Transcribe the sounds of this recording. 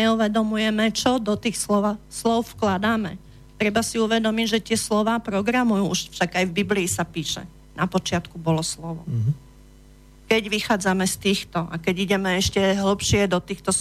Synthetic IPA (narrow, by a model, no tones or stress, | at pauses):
ɛuʋɛd̪ɔmujɛmɛt͡ʃɔd̪ɔt̪iːxslɔʋslɔʊfklad̪aːmɛ̰ | t̪ɾɛbasiuʋɛd̪ɔmiɟʒɛt̪ɪɛslɔʋaːpɾɔɡɾamujuːuʃfʃaɡajvbibliːsapiːʃɛ̰ | napɔt͡ʃɪat̪kubɔlɔslɔʋɔ̰ | kɛɟʋixaːd͡zamɛst̪iːxt̪ɔʔakɛɟiɟɛmɛɛʃcɛɦl̩pʃɪɛd̪ɔt̪iːxt̪ɔs